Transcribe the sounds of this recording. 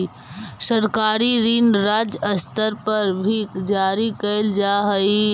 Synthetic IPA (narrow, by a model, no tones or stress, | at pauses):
səɾkaːɾiɾinɾaːd͡ʒəst̪əɾpɐɾbʱid͡ʒaːɾikɐld͡ʒaːɦɐi